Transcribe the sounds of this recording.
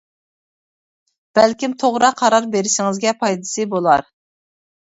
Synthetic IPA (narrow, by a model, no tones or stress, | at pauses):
b̥ɛlkʲimt̪ʰoʁɾɑqʰɑɾɑɾbeɾɪʃɪŋɪzɡʲɛpʰɑjd̪ɨsɨbolˠɑɾ